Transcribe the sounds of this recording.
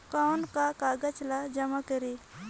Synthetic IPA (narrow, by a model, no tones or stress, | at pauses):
kawnkakaːɡəd͡ʒlad͡ʒɐmakəɾi